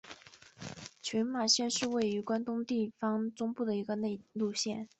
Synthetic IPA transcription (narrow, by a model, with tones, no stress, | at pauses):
t͡ɕʰy˧˥nma˨˩ɕjɛ˥˧nʂɻ̩˥˧we˥˩ɪy˧˥kwa˥nt̪ʊ˥ŋt̪i˥˩fɑ˥ŋt͡sʊ˥ŋpu˥˩d̪ə˩i˧˥ɡə˧ne˥˧ɪlu˥˧ɕjɛ˥˩n